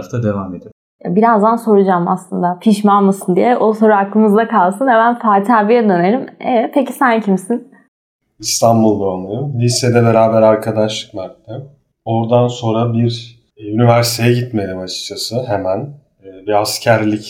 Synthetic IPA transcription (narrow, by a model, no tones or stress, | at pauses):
ft̪ʰad̪evaːme̞d̪i | ja̰biɾazd̪anso̞ɾud͡ʒaːma̰slˠɯnd̪apʰiʃmalmɯsɯnd̪ijɛʔo̞so̞ɾuaklˠɯmɯzd̪akʰalˠsɯnhemænfaːt̪ʰaːbijɛd̪ø̞ne̞limḛvɛt̪̚pʰeci̥sæncʰimsin | ist̪ʰanbulˠd̪aonˠaɾumlʲised̪ɛbeɾaːbæɾaɾkʰad̪aʃlˠɯ̥kmˠaɾt̪t̪ɯ | o̞ɾd̪anso̞nɾabiɾ | ynivæɾsit̪ʰe̞jɛɟit̪me̞d̪imat͡ʃʰɯ̥k̚t͡ʃʰasɯɦemænː | biascʰæɾlʲic